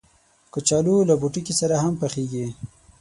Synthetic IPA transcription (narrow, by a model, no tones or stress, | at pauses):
kət͡ʃɑlulabuʈukisaɾaɦampaxeɡi